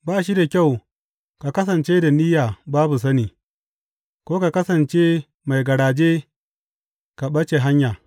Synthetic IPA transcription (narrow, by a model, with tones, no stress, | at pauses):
baː˦˨ʃ̬i˦da˨kʲa˦˨w | ka˨kɐ˦sɐ˨nt͡ʃe˦da˨ni˦jaː˨baː˦bu˨s̬ɐ˦niː˨ | kʷoː˦ka˨kɐ˦sɐ˨nt͡ʃe˦ | ma˨jɡɐ˨ɽaː˨d͡ʒe˦ | ka˨ɓɐ˦t͡ʃe˨ɦa˦ɲjaː˨